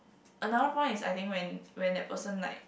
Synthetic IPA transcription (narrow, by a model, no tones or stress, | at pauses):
ʔənadəpʰɔ̃ɪ̃nisa̰ɪjt̪ĩŋkwɛ̃nwɛ̃ndɛ̰t̚pəsə̃nla̰ɪk̚